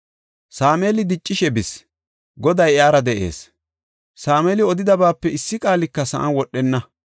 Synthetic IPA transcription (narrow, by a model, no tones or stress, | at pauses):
saːmeːlɪd̪ɪt͡ʃʼːɪʃɛbɪs | ɡɔd̪ɐjaːɾɐd̪ɛʔe̞̰ːs | saːmɛːlɪɔd̪ɪd̪ɐbaːpːɛɪsːɪkʼaːlɪkːɐsɐ̰ʔɐnwɔɗɛnːɐ